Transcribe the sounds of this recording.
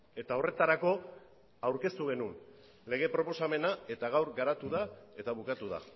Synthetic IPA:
e̞t̪ao̞re̞t̪aɾako̞ | awɾke̞st̪uɣ̞e̞nun | le̞ɣ̞e̞pɾo̞po̞same̞nae̞t̪aɣ̞awɾɡaɾat̪uðae̞t̪aβukat̪uða̰

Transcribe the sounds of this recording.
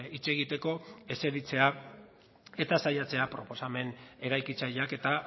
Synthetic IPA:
it͡se̞ɣit̪e̞ko̞e̞se̞ðit͡se̞a | e̞t̪asajat͡se̞apɾo̞po̞same̞ne̞ɾajkit͡sajake̞t̪a

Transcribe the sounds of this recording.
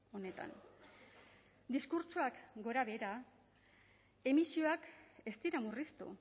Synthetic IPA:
o̞ne̞t̪a̰n | d̪iskuɾt͡ʃuakɡo̞ɾaβe̞ɾa | e̞misio̞ake̞st̪iɾamurist̪ṵ

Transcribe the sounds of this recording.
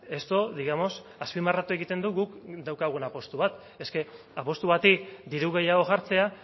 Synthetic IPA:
e̞st̪o̞ðiɣamo̞s | aspimarat̪ue̞ɣit̪e̞nd̪uɣukd̪awkaɣ̞uenapo̞st̪uβat̪ | e̞ske̞ | apo̞st̪uβat̪id̪iɾuɣ̞e̞jaɣ̞o̞ʝaɾt͡se̞a

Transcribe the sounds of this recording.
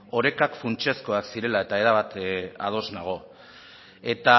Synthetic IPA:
o̞ɾe̞kakfunt͡ʃesko̞aksiɾe̞lae̞t̪ae̞ɾaβat̪a̰ð̞o̞znaɣ̞o̞ | e̞t̪a

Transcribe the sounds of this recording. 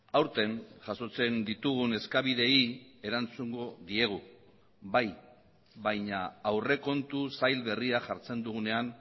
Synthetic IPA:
awɾt̪e̞nʝaso̞t͡se̞nd̪it̪uɣ̞une̞skaβiðe̞ie̞ɾant͡suŋɡo̞ðie̞ɣ̞u | baj | βajɲaːwre̞ko̞nt̪usajlβe̞riaʝaɾt͡se̞nd̪uɣune̞an

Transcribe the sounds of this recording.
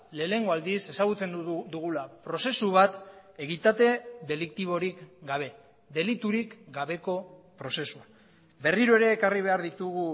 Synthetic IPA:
le̞ːle̞ŋɡo̞ald̪ise̞saɣut͡se̞nd̪d̪uɣ̞ulapɾo̞se̞suβ̞at̪e̞ɣit̪at̪e̞ðe̞likt̪iβ̞o̞ɾikɡaβ̞e̞ | ðe̞lit̪uɾikɡaβe̞ko̞pɾo̞se̞sua | be̞riɾoe̞ɾe̞ːkariβ̞e̞aɾðit̪uɣ̞u

